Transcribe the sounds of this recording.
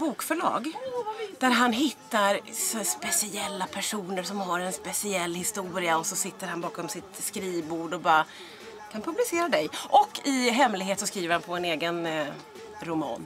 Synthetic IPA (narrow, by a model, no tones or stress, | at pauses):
buːkfœɭɑ̰ːɡ | d̪̥æɾɦanɦɪt̪ːaɾspɛsɪɛlːapʰæʂuːnəɾsɔmɦaɾɛnspɛsɪɛlːhɪst̪uːɾɪaɔsɔsɪt̪ːəɾhanbɑːkɔmsɪt̪skɾiːvbuːɖɔbɑːɾa | kʰanpʰɵblɪseːɾad̪ɛjʔɔkʰːɪɦɛmlɪɡɦeːt̪sɔskɾiːvəɾhanpʰɔɛneːɡən | ɾʊmɑ̰ːn